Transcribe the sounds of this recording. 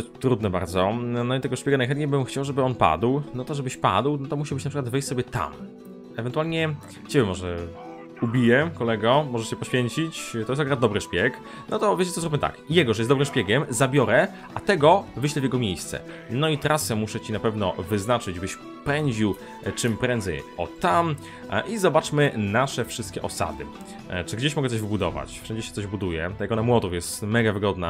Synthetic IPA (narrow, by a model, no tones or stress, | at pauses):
t̪ɾud̪nɛba̰ɾd̪zɔnɔit̪ɛɡɔʂpʲekanajxɛnt̪ɲejbɘmxt͡ɕawʐɛbɘɔnpa̰d̪wnɔt̪ɔʐɛbɘɕpa̰d̪wnɔt̪ɔmuɕibɘt͡ɕnapʂɘkwad̪vɘjɕʲsɔbʲɛt̪a̰m | ɛvɛnt̪ualɲɛ | t͡ɕɛbʲɛmɔʐɛ̰ | ubʲijɛkɔlɛɡɔmɔʐɛɕɛpɔɕfʲjeɲt͡ɕit͡ɕt̪ɔjɛst̪akɡɾad̪d̪ɔbɾɨʂpʲjɛk | nɔt̪ɔvjet͡ɕɛt̪ɔzɾubʲɛmt̪a̰kjɛɡɔʐɛjɛsd̪ɔbɾɨmʂpʲjeɡʲɛmzabʲjɔɾɛ | ʔat̪ɛɡɔvɘɕlɛvʲjɛɡɔmʲjejst̪sɛ̰ | nɔit̪ɾasɛmuʂɛt͡ɕinapɛvnɔvɘznat͡ʂɘd͡ʑbɘɕ | pɛɲd͡ʑiw | t͡ʂɘmpɾɛnd̪zɛ̰jɔ̰t̪am | ʔizɔbat͡ʂmɘnaʂɛfʂɘst̪̚kʲɛ̰ʔɔsa̰d̪ɘ̰ | t͡ʂɘɡd͡ʑeɕmɔɡɛt̪sɔʑvbud̪ɔva̰t͡ɕfʂɛɲd͡ʑɛɕɛt̪sɔʑbud̪ujɛ̰ajakɔnamwɔd̪uwjɛst̪mɛɡavɘɡɔd̪na̰